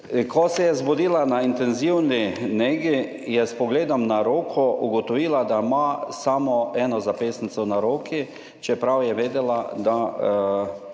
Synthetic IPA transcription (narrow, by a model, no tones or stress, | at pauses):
kʰɔsɛjɛzbɔd̪iːlanaint̪ɛnziwnineːɡi | jɛspɔɡleːd̪ɔmnaɾoːkʰɔuɡɔt̪ɔʋiːlad̪amasamɔɛːnɔzapeːsnit̪sɔwnaɾoːkʰi | t͡ʃɛpɾawjɛʋeːd̪ɛlad̪a